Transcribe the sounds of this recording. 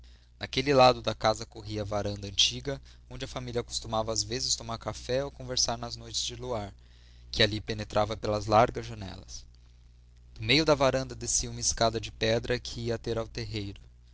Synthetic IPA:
nɐkelɪlad̪ʊd̪ɐkazɐkoɦiɐːvaɾɐ̃nd̪ɐɐ̃nt͡ʃiɡɐ | õd͡ʒɪɐfamilʲiɐako̥st̪umavɐːzvezɪst̪omaɾkafɛowkõveɾsaɾnɐznojt͡ʃɪzd͡ʒɪluaɾ | kɪalipenet̪ɾʔavɐpelɐzlaɾɡɐzʒɐnɛ̰lɐ̰s | d̪̥ʊmejʊd̪ɐvaɾɐ̃nd̪ɐd̪esiɐumɐɪskad̪ɐd͡ʒɪpɛd̪ɾʔɐkʰɪiɐt̪eɾawt̪eɦejɾʊ

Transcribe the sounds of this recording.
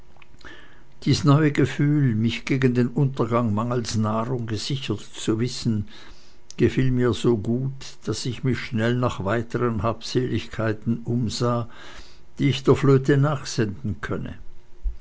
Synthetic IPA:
d̥iːsnɔʏəɡəfyːlmɪçɡ̥eːɡən̩deːnʔʊntɐɡaŋmaŋəl̩snaːʁʊŋɡəz̥ɪçɐtt͡suvɪsn̩ | ɡ̥əfiːlmiːɐzoːɡuːt | d̥asɪçmɪçʃnɛlnaːχv̥aɪtʰəʁənhaːpseːlɪçkʰaɪtn̩ʊmzaː | d̥iːɪçd̥eːɐfløːtənaːχz̥ɛndn̩kʰœnə̰

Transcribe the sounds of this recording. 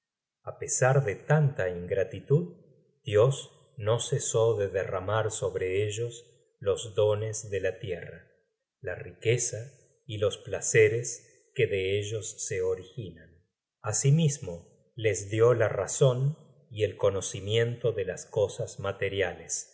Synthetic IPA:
apesaɾðe̞t̪ant̪aiŋɡɾat̪it̪uð | d̪̥jo̞z | no̞seso̞ðe̞ðera̰maɾso̞βɾeeʒo̞s | lo̞zðo̞nezðe̞lat̪jera | larike̞sa | ilo̞splaseɾes | keðeeʒo̞sːe̞o̞ɾixinan | asimizmo̞ | le̞zðjo̞lara̰so̞n | ie̞lko̞no̞simje̞nt̪o̞ðe̞lasko̞sazmat̪e̞ɾjales

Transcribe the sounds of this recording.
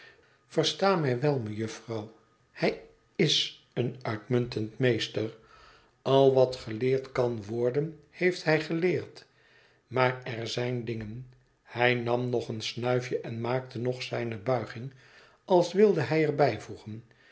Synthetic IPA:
v̥ərstaːmɛjʋɛlˠməjɵfrɑw | hɛj | ɪs | ənœɥtmɵntəntmejstər | ɑlˠʋɑtχəlɪːɹtkɑnʋɔɹdən | hejftɦɛjχəlɪːɹt | maːrɛrzɛjndɪŋən | hɛjnɑmnɔχənsnœɥfjəʔɛnmaːk̚tənɔχsɛjnəbœɥχɪŋ | ɑlˠsʋɪlˠdəɦɛjɛɹbɛjvuχən

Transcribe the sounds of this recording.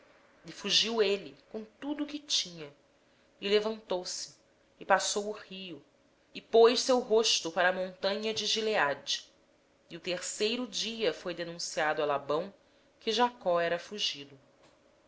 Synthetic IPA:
ifuʒiwelɪkõt̪ud̪ʊkɪt͡ʃĩɲɐ | ɪlevɐ̃nt̪owsɪ̥ː | pasowʊhiʊ | ɪpojʃsewɦoʃt̪ʊpaɾɐːmõnt̪ɐ̃ɲɐd͡ʒɪʒilead͡ʒi | iʊt̪eɾsejɾʊd͡ʒiɐfojd̪enũsiad̪ʊalabɐ̃w̃ | kɪʒakɔɛɾɐfuʒid̪ʊ

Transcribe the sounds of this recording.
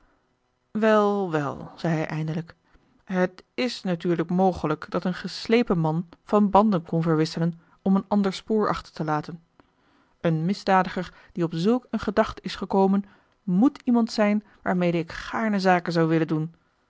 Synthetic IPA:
ʋɛlˠʋɛlˠz̥ɛjɦɛjʔɛjndələk | ɦətɪsnatyːɹləkmowχələkd̥ɑtənχəslejpəmɑnv̥ɑnbɑndənkɔnvəɹʋɪsələn | ɔmənɑndəɹspʊːɹʔɑ̰χtə̥ɹtəlaːtən | ʔənmɪzdaːdəχəɹ | d̥iɔpzɵlˠkənχədɑχtəɪsχəkowmən | mutʰimɑntsɛjn | ʋaːɹmejdəɪkχaːɹnəzaːkənzɑwʋɪləndun

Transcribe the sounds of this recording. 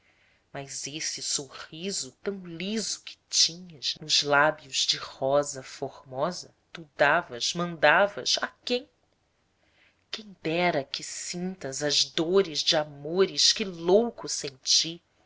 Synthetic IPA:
mɐzesɪsoʁizʊt̪ɐ̃w̃lizʊkʰɪ̥t͡ʃĩɲɐznʊzlabjʊzd͡ʒɪhɔzɐfoɾmɔzɐ | t̪ud̪avɐzmɐ̃nd̪avɐzakẽj̃ | kẽj̃d̪ɛɾɐkɪsĩnt̪ɐzɐzd̪oɾɪzd͡ʒɪamoɾɪʃkɪlowkʊsẽnt͡ʃi

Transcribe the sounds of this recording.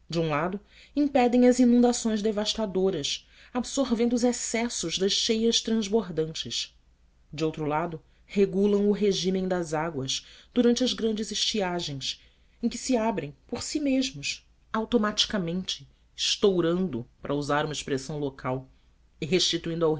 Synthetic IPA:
d͡ʒɪũlad̪ʊ | ĩpɛd̪ẽj̃ɐzinũnd̪asõj̃zd̪evaʃt̪ad̪oɾɐs | absoɾvẽnd̪ʊzɛsɛsʊʒd̪ɐʃʃejɐst̪ɾɐ̃zboɾd̪ɐ̃nt͡ʃɪs | d͡ʒɪowt̪ɾʊlad̪ʊ | heɡulɐ̃w̃ʊɦeʒĩmẽj̃d̪ɐzaɡwɐsd̪̥uɾɐ̃nt͡ʃɪɐzɡɾɐ̃nd͡ʒɪzɪʃt͡ʃiaʒẽj̃s | ẽj̃kɪ̥sɪabɾẽj̃poɾsimeʒmʊs | awt̪omat͡ʃi̥kamẽnt͡ʃɪ̥ | ɪʃt̪owɾɐ̃nd̪ʊpɾʔɐuzaɾũmɐɪʃpɾesɐ̃w̃lokʰaw | ɪɦeʃt͡ʃit̪uĩnd̪aw

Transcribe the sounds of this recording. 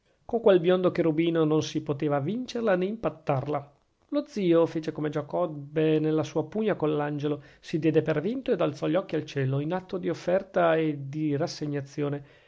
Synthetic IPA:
koŋkwelbjɔnd̪okeɾubiːnononsipot̪eːvavint͡ʃerlaneimpat̪ːarla | lod̪ziːofeːt͡ʃekomed͡ʒakɔbenelːasuːapuɲːakonlːand͡ʒelosid̪jɛːd̪epervint̪oed̪alt̪sɔʎːɔkːialt͡ʃɛːloinat̪ːod̪iofːɛrt̪aed̪irasːeɲːat̪sːjoːne

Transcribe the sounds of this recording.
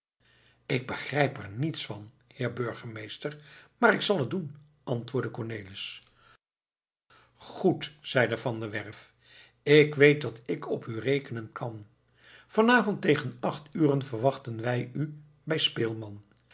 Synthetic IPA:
ɪɡ̚bəχrɛjpɛɹnitsfɑn | hɪːɹbøɹχəmejstəɹmaːɾɪksɑlˠɦədun | ɑntʋʊːɹdəkɔɹnejlɪs | χutsɛjdəvɑndəʋɛɹf | ɪkʋejt̚dɑtɪkʰɔpyrejkənənkʰɑn | v̥ɑnaːvɔntejχənɑχtyːrənvəɹʋɑχtənʋɛjy | bɛjspeːlˠmɑn

